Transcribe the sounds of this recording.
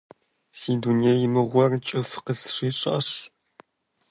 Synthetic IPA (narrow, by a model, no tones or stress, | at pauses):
siːdunijɐjɪmɨʁʷɔrt͡ʃʼɐfqəsʂiːɕʼɐ̰ɕ